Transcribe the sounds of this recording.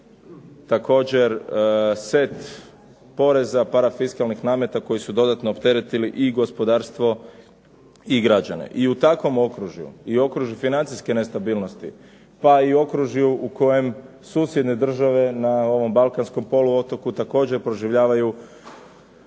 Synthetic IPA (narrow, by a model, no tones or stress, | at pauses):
t̪ako̞ːd͡ʑe̞ɾse̞t̪ | po̞ɾe̞zapaɾafiskalˠnixnaːmjet̪ako̞jisud̪o̞d̪at̪noːpt̪e̞ɾet̪iliʔiɡo̞spo̞d̪aːɾst̪ʋo̞ | iɡɾad͡ʑanḛʔiut̪akʋo̞mo̞kɾuʒjṵio̞kɾuʒjufinant̪siske̞ne̞st̪abiːlno̞st̪ḭ | paio̞kɾuʒjuʔuko̞je̞m | suːsje̞d̪ned̪r̩ʒaʋe̞nao̞ʋo̞mbalkansko̞mpo̞luo̞t̪o̞kut̪ako̞ːd͡ʑe̞ɾpɾo̞ʒiʋʎaːʋaju